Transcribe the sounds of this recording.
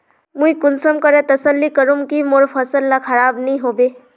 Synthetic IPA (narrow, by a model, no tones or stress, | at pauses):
mũikʊnsəmkəɾɛt̪əsəlːikəɾũmkimoɾpʰɐsəlːakʰɐɾaːbnĩɦoːbeː